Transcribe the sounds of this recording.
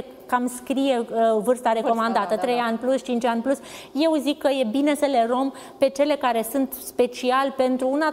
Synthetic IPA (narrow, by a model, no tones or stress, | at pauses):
kamskɾije̞vɨrst̪aɾe̞ko̞mand̪at̪ət̪ɾe̞janʲplusʃt͡ʃint͡ʃanʲplus | je̞wzikːəje̞bine̞səle̞ɾo̞m | pe̞t͡ʃe̞le̞kaɾe̞sunt̪spe̞t͡ʃialʲpe̞nt̪ɾuuna